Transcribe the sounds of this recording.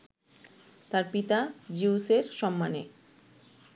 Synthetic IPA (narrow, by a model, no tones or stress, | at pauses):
t̪aɾpit̪ad͡ʑiuseɾʃɔmːanḛ